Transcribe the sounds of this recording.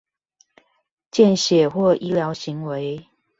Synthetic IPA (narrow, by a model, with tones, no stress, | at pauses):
t͡ɕjɛ˥˨nɕjɛ˨˩xwɔ˥˩ʔi˦˥ljɑ˨˧˦ʊɕi˨˦ŋwe˨˦ɪ